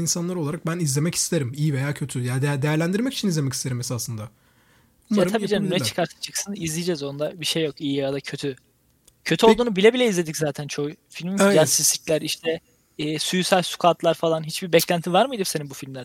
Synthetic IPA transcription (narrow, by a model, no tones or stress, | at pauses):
insanlˠaɾo̞lˠaɾak̚bænizlʲe̞mɛci̥st̪ʰeɾimijivejaːcʰø̞t̪ʰyjad̪d̪e̞jæɾlʲænd̪iɾmɛcit͡ʃʰinizlʲemɛcʰist̪ʰeɾimesasɯnd̪a | at̪ʰaiːd͡ʒanneɛt͡ʃʰɯ̥kʰaɾt̪ʰḁt͡ʃʰɯksɯnizlʲijd͡ʒɛzo̞nd̪abiʃe̞jːo̞kijijjad̪acʰø̞t̪ʰy | cʰøt̪ʰyo̞lˠd̪uːnubilʲebilʲɛizlʲe̞d̪iczaːt̪ʰænt͡ʃʰo̞jfilʲmjasizlʲiclʲæɾiʃt̪ʰɛː | sujysælʲsu̥kʰat̪lˠaɾfalˠanɦit͡ʃbibɛclʲænt̪ʰivaɾmɯjd̪ɯmseninbufilʲmlʲæɾ